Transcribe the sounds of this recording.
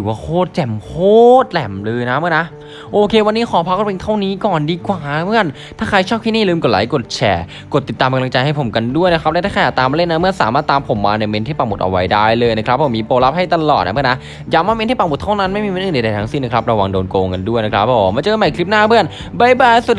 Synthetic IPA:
ɯː˨˩˦waː˧˩kʰoː˥˩t̪̚t͡ɕɛ˨˩mkʰoː˥˩t̪̚lɛ˨˩mlɤː˧jna˦˥mɯ˥˩˨na˦˥ʔ | ʔoː˧kʰeː˧wa˧nːiː˦˥xʰɔː˨˦pʰa˦˥k̚pe˧ŋt̪ʰa˥˩wniː˦˥kɔː˨˩ndiː˧kwaː˨˩bɯ˥˩ən | t̪ʰaː˥˩kʰa˧jt͡ɕʰɔː˥˩p̚ʰi˥˩ni˥˩˨lɯː˧mko˨˩laː˨˦jko˨˩t̪̚t͡ɕʰɛ̰ː˨˧˩ | ko˨˩t̪ːi˨˩t̪ːaː˧mka˧la˧ŋt͡ɕa˧jha˥˩jpʰo˩˦mka˧ndu˥˩əjna˦kʰɾa˦˥plɛ˧˥t̪ʰaː˥˩ka˧jaː˨˩t̪aː˧mːa˧˦le˥˩nːa˦˥mɯ˥˩ɐsaː˨˦maː˥˩t̪ːaː˧mpʰo˨˩˦mːaː˧na˧˩me˧nt̪ʰiː˥˩pa˨˩ŋbu˨˩t̪ʔa̰˧wa˦˥jdaː˥˩jlɤː˧jna˦˥kʰɾa˦˥p̚ʰːo˨˩˦miː˧poː˧la˦˥p̚ha˥˩jt̪a˧lɔː˨˩t̪na˦bɯ˥˩˨na˦˥ | ja˧˩maː˥˩me˧nt̪ʰiː˥˩pa˨˩mu˨˩t̪ʰːa˥˩wna˦˥nma˥˩jmi˧me˧˥nʔːna˧˩da˨˧jt̪ʰa˦ŋsi˥˩na˦˥kʰɾa˦˥p̚ɾa˧wa˧ŋdoː˧nkoː˧ŋka˧ndu˥˩əjna˦kʰɾa˦˥pːɔː˨˩˦maː˧t͡ɕɤː˧ma˨˩jkʰɾi˦˥p̚naː˥˩bɯ˥˩ən | ba˧˩jbaː˧˩jsu˨˩t̪̚

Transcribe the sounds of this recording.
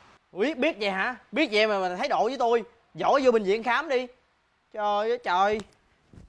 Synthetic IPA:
wi˦˥ət̚ɓi˦˥ət̚za˨˩ɦa̰ː˧˥ɓi˦˥ət̚zḭ˧˨ɛ˧maː˨˩m˨˩t̪ʰə˨˦jɗo̰˧˨zəː˨˦jt̪o˧j | zɔ̰˧˨˩zu˧ɓi˨˩zḭ˧˨ənxaː˨˦mɗi˧ | t͡ɕɔ˧zəː˨˦jt͡ɕəː˨˩j

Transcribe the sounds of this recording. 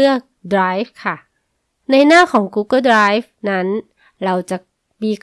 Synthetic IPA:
ɯ˥˩ək̚dɾaː˦˥jf̚kʰa˥˩ | na˧jnaː˥˩kʰɔː˩˦ŋkuː˧˥kɤː˥˩dɾaː˦˥jfna˦˥n | ɾa˧wt͡ɕa˨˩k̚ | miː˧k

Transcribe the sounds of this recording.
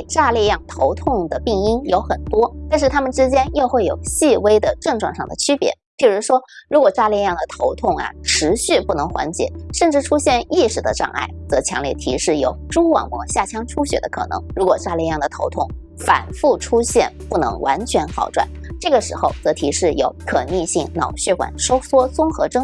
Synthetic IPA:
ʈ͡ʂa˥˧ljɛ˥˧jɑ˥˩ŋt̪ʰo˧˥ʊt̪ʰʊ˥˩ŋd̪ə˩pi˥˩ŋi˥njo˧˥ʊxə˨˩nt̪wɔ˥t̪a˥˧nʂ̬ɻ̩˥˩t̪ʰa˥mə˨nʈ͡ʂɻ̩˥t͡ɕjɛ˥njo˥˧ʊxwe˥˩ɪjo˨˩ʊɕi˥˩we˥ɪd̪ə˨ʈ͡ʂɤ˥˧ŋʈ͡ʂwɑ˥˧ŋʂɑ˥˩ŋd̪ə̰˩t͡ɕʰy˥pjɛ̰˧˥t͡ɕi˥˩ɻu˧˥ʂwɔ˥ɻu˧˥kwɔ˨˩ʈ͡ʂa˥˧ljɛ˥˧jɑ˥˩ŋd̪ə˩t̪ʰo˧˥ʊt̪ʰʊ˥˩ŋɐ̰˩ʈ͡ʂʰɻ̩˧˥ɕy˥˧pu˥˩nɤ˧˥ŋxwa̰˧˥nt͡ɕjɛ̰˨˩˦ʂə˥˧nʈ͡ʂɻ̩˥˩ʈ͡ʂʰu˥ɕjɛ˥˧ni˥˩ʂɻ̩˨˩d̪ə̰˦ʈ͡ʂɑ̰˥˧ŋʔa̰˥˩ɪt͡sɤ˧˥t͡ɕʰjɑ̰˧˥ŋljɛ̰˥˩t̪ʰi˧˥ʂɻ̩˥˩jo˨˧˩ʊʈ͡ʂu˥kwɑ̰˨˩ŋmwɔ˧˥ɕja˥˩t͡ɕʰjɑ˥ŋʈ͡ʂʰu˥ɕɥɛ̰˨˧˩d̪ə̰˦kʰɤ̰˨˩nɤ̰˧˥ŋɻu˧˥kwɔ˨˩ʈ͡ʂa˥ljɛ˥˧jɑ˥˩ŋd̪ə˩t̪ʰo˧˥ʊt̪ʰʊ˥˩ŋ | fa̰˨˩nfu˥˩ʈ͡ʂʰu˥ɕjɛ˥˩npu˥˩nɤ̰˧˥ŋwʔa̰˧˥nt͡ɕʰɥɛ˧˥nxɑ˨˩ʊʈ͡ʂwa̰˨˩˦nʈ͡ʂɤ˥˩ɡə˩ʂɻ̩˧˥xo˥˧ʊt͡sɤ˧˥t̪ʰi˧˥ʂɻ̩˥˩jo̰˧˥ʊkʰɤ˨˩ni˥˧ɕi˥˩ŋnɑ̰˨˩ʊɕɛ˥˩kwa̰˨˩˦nʂo˥ʊswɔ˥t͡sʊ˥ŋxɤ˧˥ʈ͡ʂɤ˥ŋ

